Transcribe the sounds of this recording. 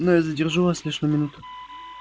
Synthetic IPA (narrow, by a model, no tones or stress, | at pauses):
nojazədʲɪrʐuvaslʲiʂnəmʲɪnut̪ʊ̥